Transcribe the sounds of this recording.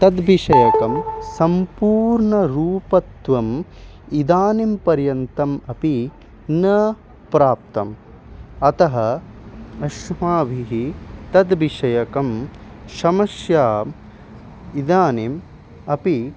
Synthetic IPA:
t̪ɐd̪biʃɐjɐkɐmsɐmpuːɾɳɐɾuːpɐt̪ʋɐm | id̪aːnimpɐɾjɐnt̪ɐmɐpi | nɐ | pɾaːp̚t̪ɐm | ɐt̪ɐɦɐ | ɐʃmaːʋʱiɦit̪ɐd̪biʃɐjɐkɐm | ʃɐmɐsjaː | id̪aːnim | ɐpi

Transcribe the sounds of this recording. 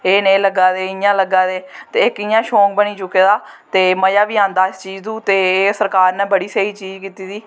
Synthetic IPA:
eːnẽːləɡaːd̪eːɪjãːləɡaːd̪eːt̪eːɪkɪjãːʃõːk̚bəniːt͡ʃʊkːeːd̪aː | t̪eːməjaːʋiːãːnd̪aːɪst͡ʃiːd͡ʒd̪uːt̪eːsəɾkaːɾnẽːbəɽiːseːiːt͡ʃiːd͡ʒkiːt̪iːd̪iː

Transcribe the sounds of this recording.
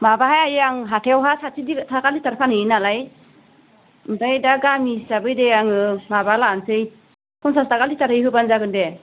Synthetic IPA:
mabaɦajajaŋɦatʰewɦasatiditʰakalitaɾpʰanɯjnalaj | dajdaɡamisabɯjdejaŋɯmabalaːnsɯj | kʰɔnsastakalitaɾhɯjɦɯbanzaɡɯnde

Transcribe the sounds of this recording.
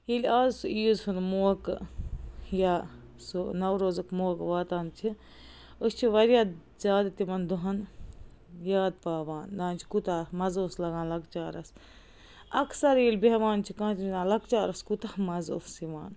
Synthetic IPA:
ilʲaːzsuiːzunmoːk | jaːsunɐwɾoːzɨkmoːkʋaːt̪aːnt͡ʃʰi | əst͡ʃʰiʋɐɾjaː | zaːd̪at̪imɐnd̪uɦɐn | jaːd̪̚paːʋaːnd̪aːnt͡ʃʰi̥kut̪aːmɐzoːslɐɡãːnlɐɡt͡ʃaːɾɐs | ɐksɐɾiːlʲbeɦʋaːnt͡ʃʰikãːt͡ʃʰiminaːlɐɡt͡ʃaːɾɐskut̪ahmɐzo̰ːssiʋa̰ːn

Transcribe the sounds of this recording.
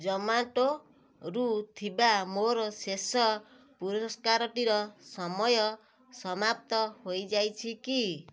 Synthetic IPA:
d͡ʒɔmaʈo | ɾut̪ʰibamoɾɔsesɔ | puɾɔskaɾɔʈiɾɔsɔmɔjɔ | sɔmap̚t̪ɔhojd͡ʒajt͡ʃʰiki

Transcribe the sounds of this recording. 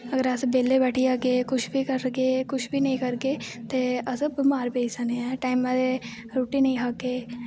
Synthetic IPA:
əɡəɾəsbeːlebɛːʈʰiaːɡeːkʊt͡ʃʰbʱikəɾɡeːkʊt͡ʃʰbʱinɐĩkəɾɡeːt̪eəsəbmaːɾbeːsəneɛ̃ːʈaːɪmːɛ̃d̪e | ɾoːʈinɐĩːɦaːɡeː

